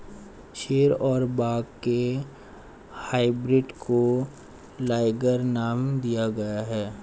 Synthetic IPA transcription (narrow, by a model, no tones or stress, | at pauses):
ʃʰeːɾɔːɾbaːɡkːe | haːɪbɾɪɖkʰo | laːɪɡəɾnaːmd̪ijaɡɐjaɦɛː